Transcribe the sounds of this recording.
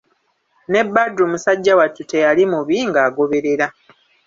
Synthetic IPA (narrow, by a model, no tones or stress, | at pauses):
ne̞bːadɾumusaɟːawatːute̞jalimuβiŋɡaːɡo̞βe̞ɾe̞ɾa